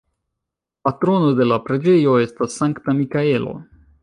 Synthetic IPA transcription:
patɾo̞no̞de̞lapɾe̞d͡ʒe̞jo̞e̞stasːaŋktamikae̞lo̞̰

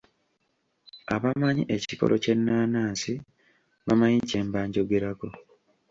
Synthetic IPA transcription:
a̰βamaɲḭʔe̞ciko̞̰lʔo̞̰ce̞nːaːnaːnsi | βamajiɲce̞ːmbaːɲɟo̞ɡe̞ɾako̞

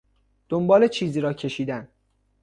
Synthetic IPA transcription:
d̪̥ombɒːle̞t͡ʃʰiːziːɾɒːcʰe̞ʃiːd̪æn

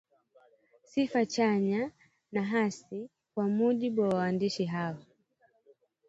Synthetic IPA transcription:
sifat͡ʃaɲa | naɦasi | kwamuʄiɓuwawaandiʃiɦawa

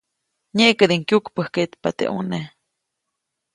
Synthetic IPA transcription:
ɲeʔkəd̪iŋkjukpəhket̪pat̪ḛʔṵne

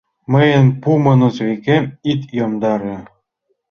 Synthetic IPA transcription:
mə̆jə̆npumɤ̆nɤ̆zβikʲemʲit̪jomd̪ɑɾĕ

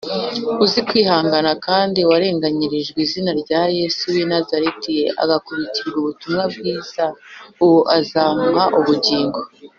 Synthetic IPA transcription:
uzikwiːhaːŋɡanakaːndiwaɾe̞ːŋɡaɲiɾiʒɡwiːzinaɾɟaːje̞suwinazaɾetijeʔa̰ɡakuβiciɾɡuβutumŋab̚ɡiːz̥auwoʔazaːmhaʔuβuɟiːŋɡo

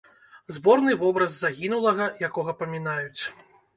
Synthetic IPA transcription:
zbɔrnɨvɔbɾɐzːaɣʲinulˠɐɣɐjakɔɣɐpɐmʲinajut͡sʲ

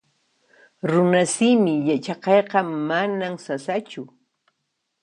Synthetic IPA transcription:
ɾʊnasimɪjat͡ʃɑqɑjqɑmanamsasat͡ʃʊ

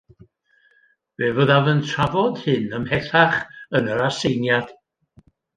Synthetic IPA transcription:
v̥eːvəðavəntʰravɔd̥hɪnəmhɛθaχənəɾasejnjad̥

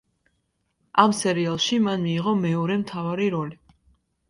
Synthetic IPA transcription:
amsɛɾialˠʃimanmiːʁɔmɛɔɾɛmt̪ʰavaɾiɾɔli

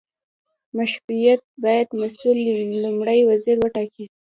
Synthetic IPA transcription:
maʃɾujat̪̚bɑjad̪masullʊmɽəjwaziɾwəʈɑki

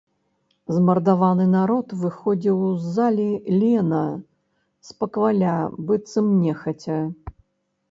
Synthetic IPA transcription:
zmɐrd̪avanɨnaɾɔt̪vɨxɔd͡zʲiwzːalʲilʲɛnɐ | spɐkvalʲabɨt̪sɨmnʲɛxɐt͡sʲɐ

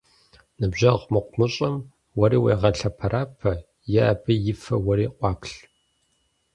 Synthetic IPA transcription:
nɨbʑɐʁmɨqʷʊmɨɕʼɐm | wɐɾiːwḛːʁɐɬɐpʰɐɾʔaːpʰɐ | jɛːbɨjɪfɐwɐɾiːqʷʼɑːpɬ

